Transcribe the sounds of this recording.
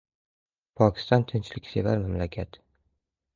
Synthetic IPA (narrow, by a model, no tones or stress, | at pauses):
pʰɒkʲʰɪ̥st̪ɒnt̪ʰɪnt͡ʃlɪkʲse̞vaɾmamlakʲʰat̪